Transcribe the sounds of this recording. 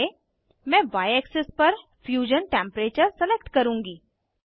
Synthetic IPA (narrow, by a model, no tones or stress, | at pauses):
e | mɛ̃ːʋaːjɛːksɪspɐɾ | fjuːʒənʈẽːmpɾeːt͡ʃəɾsɛleːkʈkɐɾũːŋɡiː